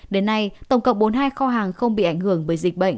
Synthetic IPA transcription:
ɗe˨˦nːa˧jt̪ə˧˩wŋ͡mkə̰˧˨wŋ͡m̚ɓo˨˦nɦaː˧jxɔ˧ɦaː˨˩ŋxə˧wŋ͡mɓḭ˧˨ʔa˧˩jŋ̟hɨ˧˩əŋvəː˨˦jzï˨˩k̟̚ɓə̰˧˨ŋ

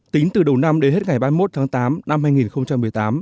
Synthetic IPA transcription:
t̪ï˨˦ŋt̪ɨ˨˩ɗə˨˩wna˧mɗe˨˦nhe˦˥t̚ŋa˨˩jɓaː˧mo˦˥t̚t̪ʰaː˨˦ŋt̪aː˨˦mna˧mhaː˧jŋi˨˩nxə˧wŋ͡mt͡ɕa˧mːɨ˨˩əjt̪aː˨˦m

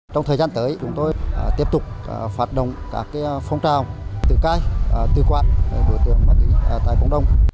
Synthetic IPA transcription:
t͡ɕɔ˧wŋ͡mt̪ʰəː˨˩zaː˧nt̪əː˨˦jt͡ɕʊ˨˦ŋ͡mt̪o˧jt̪i˦˥əp̚t̪ʊ˨˩k͡p̚ːfaː˨˩t̚ɗə̰˧˨wŋ͡mkaː˨˦˥kːaː˨˦fɔ˧wŋ͡mt͡ɕaː˨˩wt̪ɨ˨˩kaː˧jt̪ɨ˨˩kwaː˧˨nɗe˧˩ɗo˧˩jt̪ɨ˨˦əŋva˧˩t̪i˧˩˧t̪aː˧˨jkə̰˧˩wŋ͡mɗə˧˩wŋ͡m

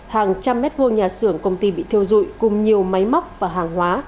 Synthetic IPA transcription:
haː˨˩ŋt͡ɕa˧mːɛ˦˥t̚vo˧ɲaː˨˩sɨ˧˩əŋkə˧wŋ͡mt̪i˧ɓḭ˧˨t̪ʰi˧əwzṵ˧˨jkʊ˨˩ŋ͡mɲi˨˩əwma˨˦jma˦˥wk͡p̚vaː˨˩ɦaː˨˩ŋɦwaː˨˦

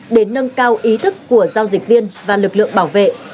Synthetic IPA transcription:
ɗe˨˦nːə˧nkaː˧wʔi˨˦t̪ʰɨ˦˥kːu˧˩əzaː˧wzi˨˩k̚vi˧ənvaː˨˩lɨ˨˩k̚lɨ̰˧˨əŋɓaː˧˩wvḛ˧˨ʔ

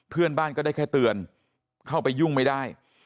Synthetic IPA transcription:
pʰɯ˥˩ənbaː˥˩nkɔː˥˩da˥˩jkʰa˥˩jt̪ɯ˧ən | kʰa˥˩wpa˧jːu˥˩ŋma˥˩jdaː˥˩j

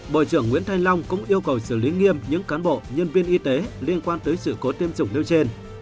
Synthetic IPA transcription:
ɓo̰˧˨jt͡ɕɨ˧˩əŋːwḭ˧˥ənt̪ʰa˧jŋ̟la˧wŋ͡mkʊ̰˧˥ŋ͡mʔi˧əwkə˨˩wsɨ˧˩li˨˦ŋi˧əmɲɨ̰˧˥ŋkaː˨˦nɓo̰˧˨ɲə˧nvi˧ənʔi˧t̪e˨˦li˧ənkwaː˧nt̪əː˨˦jsɨ̰˧˨ko˨˦t̪i˧əmzʊ˨˩ŋ͡mli˧wt͡ɕe˧n

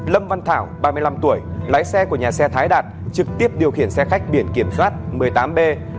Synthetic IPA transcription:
lə˧mva˧nt̪ʰaː˧˩wɓaː˧mɨ˧jla˧mt̪u˧˩əjla̰ː˨˦jsɛ˧ku˧˩əɲaː˨˩sɛ˧t̪ʰaː˨˦jɗaː˨˩t̚t͡ɕɨ˨˩k̚t̪i˦˥əp̚ɗi˨˩əwxḭ˧˩ənsɛ˧xa˦˥jk̟̚ɓi˧˩ənki˧˩əmswaː˦˥t̚mɨ˨˩əjt̪aː˨˦mɓe˧

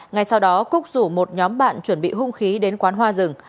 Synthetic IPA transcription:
ŋa˨˩jsa˧wɗɔ˨˦kʊ˦˥k̚zu˧˩mo˨˩t̚ɲɔ˨˦mɓa̰ː˧˨nt͡ɕwə˧˩nɓḭ˧˨hʊ˧ŋ͡mxi˨˦ɗe˨˦nkwaː˨˦nɦwaː˧zɨ˨˩ŋ

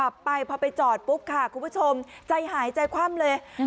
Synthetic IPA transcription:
a˨˩pːa˧jpʰɔː˧pa˧jt͡ɕɔː˨˩t̪̚pu˦˥p̚kʰa˥˩kʰu˧pʰu˦˥t͡ɕʰo˧mt͡ɕa˧jɦaː˩˦jt͡ɕa˧jkʰwaː˧˥˩mlɤː˧j

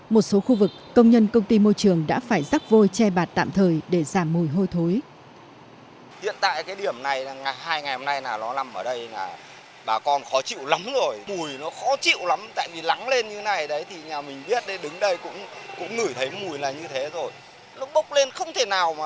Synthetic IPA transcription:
mo˨˩t̚so˨˦xu˧vɨ˨˩k̚ːə˧wŋ͡mɲə˧nkə˧wŋ͡mt̪i˧mo˧jt͡ɕɨ˨˩əŋɗa̰ː˧˥faː˧˩jzaː˦˥k̚vo˧jt͡ɕɛ˧ɓaː˨˩t̚t̪a̰ː˧˨mt̪ʰəː˨˩jɗe˧˩zaː˧˩mːu˨˩jɦo˧jt̪ʰo˨˦j | hḭ˧˨ənt̪a̰ː˧˨jkaː˨˦jɗi˧˩əmna˨˩jŋa˨˩jhaː˧jŋa˨˩jho˧mna˧jnaː˨˩lɔ˨˦la˨˩mʔəː˧˩ɗə˧jlaː˨˩ | ɓaː˨˩kɔ˧nxɔ˨˦t͡ɕḭ˧˨wla˨˦mzo˨˩jmu˨˩əjnɔ˨˦xɔ˨˦t͡ɕḭ˧˨wla˨˦mt̪a̰ː˧˨jvi˨˩la˨˦ŋle˧nɲɨ˧˨˦na˨˩jɗə˨˦jt̪ʰi˨˩ɲaː˨˩mï˨˩ŋ̟ɓi˦˥ət̚ɗe˧˩ɗɨ˨˦ŋɗə˧jkʊ̰˧˥ŋ͡mkʊ̰˧˥ŋ͡mŋɨ˨˧˩jt̪ʰə˨˦jmu˨˩əjlaː˨˩ɲɨ˧t̪ʰe˨˦zo˨˩j | lʊ˦˥ɓə˦˥wk͡p̚le˧nxə˧wŋ͡mt̪ʰe˧˩naː˨˩wmaː˨˩

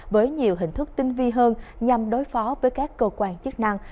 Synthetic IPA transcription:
vəː˨˦jɲi˨˩əwɦï˨˩ŋ̟t̪ʰɨ˦˥k̚t̪ï˧ŋvi˧ɦəː˧nɲa˨˩mɗo˨˦jfɔ˨˦vəː˨˦jkaː˦˥kːəː˧kwaː˧˩nt͡ɕɨ˦˥ək̚na˧ŋ

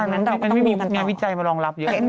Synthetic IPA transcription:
ma˧˨˦ma˧nnma˥˩jŋaː˧nwi˦˥˩t͡ɕa˧jmaː˧ɾɔː˧ŋla˦˥p̚jɤ˦˥

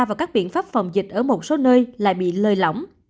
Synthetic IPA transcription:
vaː˨˩wkaː˦˥k̚ɓḭ˧˨ənfaː˦˥p̚fə˨˩wŋ͡mzï˨˩k̟̚ʔəː˧˩mo˨˩t̚so˨˦nəː˧jla̰ː˧˨jɓḭ˧˨ləː˨˩jlə˧˩wŋ͡m

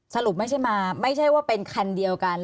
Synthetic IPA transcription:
sa˧lu˨˩p̚ma˥˩t͡ɕʰa˥˩jmaː˧ma˥˩jt͡ɕʰa˥˩jwaː˥˩pe˧nkʰa˧ndi˧əwka˧n

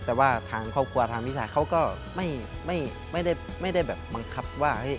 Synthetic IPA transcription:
t̪ɛː˨˩waː˥˩t̪ʰaː˧ŋkʰɔ˥˩p̚kʰu˧ɐt̪ʰaː˧ŋwi˦˥t͡ɕʰaː˧˩jkʰa˦˥˩wkɔː˥˩ | ma˥˩jma˥˩j | ma˥˩jda˥˩j | ma˥˩jda˥˩jbɛː˨˩p̚ːa˧ŋkʰa˦˥p̚waː˥˩ha˦˥˩j

